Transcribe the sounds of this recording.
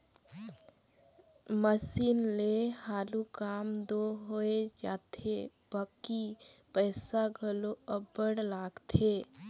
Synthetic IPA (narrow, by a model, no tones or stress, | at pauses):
məsiːnlehaːlukaːmd̪oɦoed͡ʒaːt̪ʰe | baːkipəːsaɡʱəloəbəɽlaːɡt̪ʰeː